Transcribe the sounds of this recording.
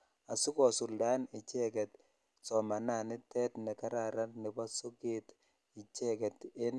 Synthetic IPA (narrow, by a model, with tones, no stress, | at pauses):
a˨su˦kɔ˨su˨lda˦nɪ˨t͡ʃɛ˦kɛ˨t | sɔ˨ma˨na˨nɪ˦tːɛ˦tnɛ˨ka˦ɾa˨ɾa˦lnɪ˨pa˦sʊ˦ke˦t̪ | ɪ˨t͡ʃɛ˦kɛ˨te˦n